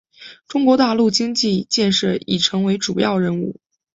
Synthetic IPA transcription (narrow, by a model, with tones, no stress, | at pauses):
ʈ͡ʂʊ˥ŋkwɔ˧˥t̪a˥˧lu˥˩t͡ɕi˥ŋt͡ɕi˥˧t͡ɕjɛ˥˧nʂɤ˥˩ḭ˨˩ʈ͡ʂʰɤ˧˥ŋwe˧˥ɪʈ͡ʂu˨˩jɑ˥˧ʊɻə˥˧nṵ˥˩